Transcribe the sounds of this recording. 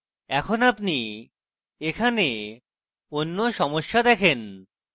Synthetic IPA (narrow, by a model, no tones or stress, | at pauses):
ɛkʰonapni | ekʰane | onːoʃɔmoʃːad̪ɛkʰen